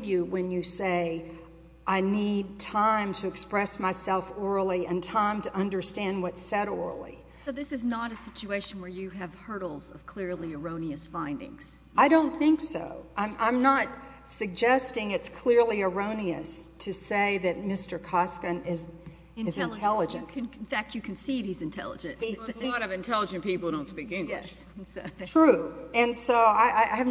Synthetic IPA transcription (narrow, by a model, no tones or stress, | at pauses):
vjɨwɨ̃njɨseɪ | ʔaɪnid̚tʰãɪ̃mtʰɨɨkspɹɛsmaɪsɛlˠfɔɹl̩ˠiɨ̃ntʰãɪ̃mtʰɨʔʌ̃ndə˞stæ̃nd̚wʌtsɛɾɔ̰ɹl̩ˠḭ | soʊðɪsɨznəɾɨsɪt͡ʃueɪʃn̩wə˞jɨɨv̥hɜ˞ɾl̩ˠzʌv̥kʰl̥ɪɹlˠiə˞õʊ̃niɨsfãɪ̃ndɪ̰̃ŋz̥aɪɾõʊ̃nθɪ̃ŋkso̰ʊʔãɪ̃mʔã̰ɪ̃mnət̚ | sɨɡ̚d͡ʒɛstɪ̃ŋɨtskʰl̥ɪɹliə˞õʊ̃niɨstʰɨseɪðɨt̚mɪstə˞kʰɑskɨ̃nɪz | ɨzɨ̃ntʰɛlˠəd͡ʒɨ̃ntnn̩fæk̚t͡ʃɨkʰn̩siɨhizɨ̃ntʰɛ̰lˠə̰d͡ʒɨ̃ntzɾʌvɨ̃ntʰɛlˠəd͡ʒɨ̃npipl̩ˠdõʊ̃ntspikɪ̃ŋɛ | stʰɹ̥ʉɨ̃nsoʊaɪʔaɪʔaɪɨv